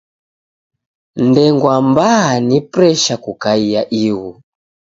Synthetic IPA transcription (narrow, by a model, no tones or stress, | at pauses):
ndɛŋɡwambaanipɾɛʃakukaijaʔiɣu